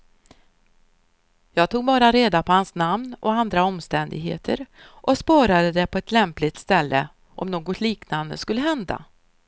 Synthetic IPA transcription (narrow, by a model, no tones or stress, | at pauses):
jɑːɡ̚t̪ʰuːɡbɑːɾaɾeːd̪apʰɔhansnamnɔand̪ɾaɔmst̪ɛnd̪ɪ̰ɡɦḛːt̪ʰə̰ɾ | ʔɔspɑːɾad̪əd̪ɛpʰɔɛt̪ʰlɛmplɪt̪st̪ɛlːə̰ | ʔɔ̰mnoːɡɔt̪ʰliːknand̪əskɵlːəɦɛnd̪a̰